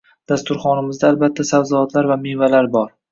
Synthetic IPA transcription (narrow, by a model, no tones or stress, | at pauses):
d̪̥ast̪ʊɾχɒnɪmɪzd̪aːlbat̪ʰːasavzɒɒt̪laɾvamevalaɾbɒɾ